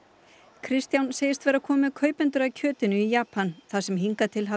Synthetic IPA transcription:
kʰɾɪst̪jawnseːjɪst̪vɛːɾakʰɔːmɪkʰœːɥpʏnt̪ʏɾacʰœːt̪ɪnʏijaːpanθasɛmɦiŋkat̪ʰɪlɦa

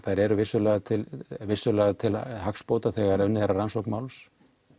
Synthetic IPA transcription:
θajɾɛɾʏvɪsːʏlɛɣat̪ʰɪlvɪsːʏlɛːɣat̪ʰɪlɦakspoːwt̪aθɛːɣaɾʏnːɪθhɛrːaransowknmaːwls

